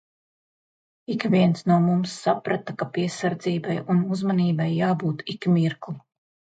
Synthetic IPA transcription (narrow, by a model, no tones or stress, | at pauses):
ikvʲiɛnsnuɔmumsːapɾat̪akapiɛsaɾd̪ziːbajunuzmaniːbajːaːbuːt̪ikmiɾklˠi